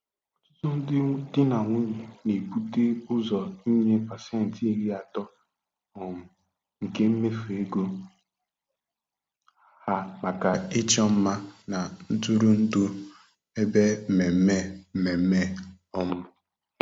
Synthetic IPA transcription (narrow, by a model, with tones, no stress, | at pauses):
tʊ˦tʊ˦n̩˦dɪ˦dɪ˦na˨ŋʷu˦ɲe˨ne˨pu˦te˦ʊ˦zɔ˨i˦ɲe˦pa˨se˦˨n̩˨te˦ɣi˦a˨tɔ˦ | ɔ˨mʊ˨ | ŋ̩˨ke˦m̩˦me˦fu˨e˦ɡo˦ | ha˦ma˨ka˨ɪ˦t͡ʃɔ˦m̩˦ma˦na˨n̩˦tu˦ɾu˦n̩˦du˦ | e˦be˦˨me˨˦me˦˨me˨m̩˦me˦ | ɔ˦mʊ˦